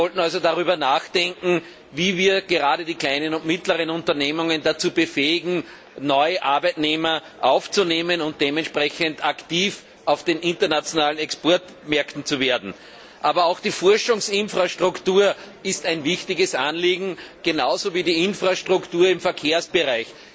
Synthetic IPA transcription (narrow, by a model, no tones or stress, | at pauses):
ɔltn̩alzodaʁyːbɐnaːxd̥ɛŋkŋ̩ | viːviːɐɡ̥eʁaːɾədiːklaɪnənʊntmɪtləʁənʊ̃ntɐneːmʊŋəndat͡suːbəfeːɪɡŋ̩ | nɔʏəʔaɐbæɪtneːmɐ | ʔaʊft͡suneːmənʊnt̚d̥eːmɛntʃpʁɛçəntaktiːf | ɑʊfd̥eːnʔɪ̃ntɐnat͡sjonaːlənɛkspɔɐt | mɛɐktn̩t͡suveːɐdn̩ | ʔaːbɐɑʊxd̥iːfɔɐʃʊŋsɪnfʁaʃtʁ̥ʊktuːɐ | ɪstæɪnvɪçtɪɡəsanliːɡŋ̩ɡ̥ənaʊzoviːdiːɪnfʁ̥aʃtʁ̥ʊktuːɐɪmfɛɐkʰeːɐsb̥əʁaɪç